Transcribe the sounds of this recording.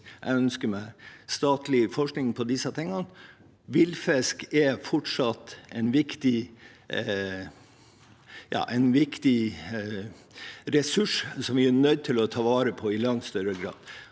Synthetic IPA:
ʔæ̰œnskəmæɪst̪ɑːt̪lɪfɔʂknɪŋpʰɔd̪ɪsɑt̪ʰɪŋːɑn | ʋɪlfɛskɛfɔʈʂɑt̪ɛɪnʋɪkt̪ɪ | jɑ̰ːʔɛɪnʋɪkt̪ɪ | ɾɛsʉʂsɔmʋɪænœʏd̪̚t̪ʰɪlɔt̪ʰɑːʋɑːɾəpʰɔɪlɑŋt̪st̪œɾəɡɾɑ̰ːd̪

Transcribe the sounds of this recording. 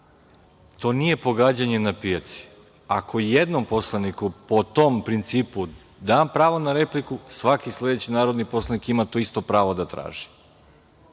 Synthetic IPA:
t̪o̞ːnije̞po̞ɡaːd͡ʑaɲe̞napijat̪si̥ | akʰo̞jed̪nompo̞slˠanikupot̪ompɾint̪siːpu | d̪aːmpɾaːʋo̞naɾe̞plikusʋakisle̞d̪et͡ɕinaːɾo̞d̪nipo̞slˠanikimat̪o̞ist̪o̞pɾaːʋo̞d̪at̪ɾa̰ːʒi̥

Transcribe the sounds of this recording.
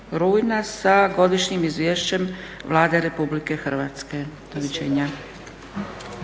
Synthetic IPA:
ɾuːjnasaɡo̞d̪iʃɲimizʋjeːʃt͡ɕe̞mʋlˠaːd̪eɾe̞publike̞xr̩ʋat̪ske̞d̪̥olit͡ɕḛɲa

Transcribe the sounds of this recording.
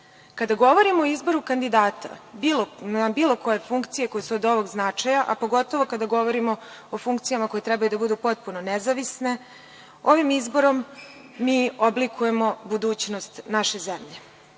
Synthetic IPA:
kad̪aɡo̞ʋo̞ɾimooizbo̞ɾukand̪id̪aːt̪a̰bilonabiːlˠo̞ko̞je̞fuŋkt̪sije̞ko̞jesuod̪oʋo̞ɡznat͡ʂajaʔapo̞ɡo̞t̪oʋo̞kad̪aɡo̞ʋo̞ɾimo̞ | ofuŋkt̪sijamako̞je̞t̪ɾɛbajud̪abud̪upo̞t̪̚punonezaʋisne̞ | o̞ʋimizbo̞ɾo̞mː | iːoblikʰuje̞mo̞bud̪uːt͡ɕno̞st̪naʃe̞zemʎe̞

